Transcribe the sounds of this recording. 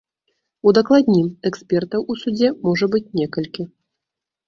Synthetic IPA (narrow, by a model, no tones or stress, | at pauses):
ud̪ɐklˠad̪ʲnʲiɛksʲpʲɛrt̪ɐwʔusud͡zʲɛmɔʐɐbɨt͡sʲnʲɛkɐlʲkʲi